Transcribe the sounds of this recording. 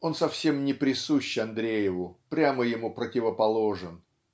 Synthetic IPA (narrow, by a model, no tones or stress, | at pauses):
o̞nsɐfsʲe̞mnʲɪpɾʲɪsuɕːɪɐnd̪ɾʲejɪvʊpɾʲaməjɪmupɾətʲɪvəpɐlˠo̞ʐɨn